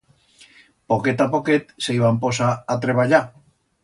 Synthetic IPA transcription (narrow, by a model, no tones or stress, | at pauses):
poket̪apoket̪sejβampo̞saːt̪ɾeβaʎa